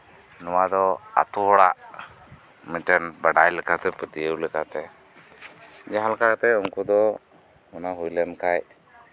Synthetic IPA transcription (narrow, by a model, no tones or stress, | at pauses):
nɔwad̪ɔa̰t̪uɔɽaʔ | miʈɛnbəɖajlɛkat̪ɛpət̪iəwlɛkat̪ɛ | d͡ʒaɦalkat̪ɛuŋkud̪ɔ | ɔnaɦujlɛnkaj